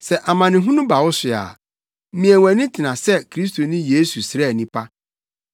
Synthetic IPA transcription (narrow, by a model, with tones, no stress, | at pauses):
sɛ˦ʔa˨mã˨nɪ̃˨ɦũ˦nʊ̃˦ba˨wʊ˦sɪ˨a̰˨˦ | mĩ˨ɛ˨wæ̃˨˦nɪ̃˦tʰɪ˨nã˨sɛ˦kʰɾi˦stʰo˨nɪ̃˦jeː˦su˨sɪ˨ɾɛ˦˨nĩ˦pʰa˦